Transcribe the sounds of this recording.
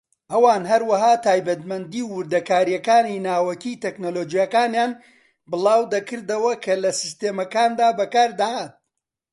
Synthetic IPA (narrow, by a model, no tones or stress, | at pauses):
ʔɐwaːnɦɐɾwɐɦaːt̪ʰaːjbɐt̪mɐnd̪iːwʊɾd̪ɐkaːɾijɐkaːninaːwɐkiːt̪eknoloːd͡ʒijakaːnjaːn | bɨlˠaːwd̪ɐkɨɾd̪ɐwɐkʰɐlɐsist̪eːmɐkaːnd̪aːbɐkaːɾd̪ɐhat̪̚